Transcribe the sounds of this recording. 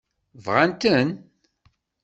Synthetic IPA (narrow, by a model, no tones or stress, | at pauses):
vʁænt̪ən